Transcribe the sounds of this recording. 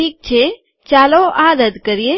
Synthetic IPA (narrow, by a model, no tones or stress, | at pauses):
iːk̚t͡ʃʰe | t͡ʃaːloʔad̪əd̪kəɾije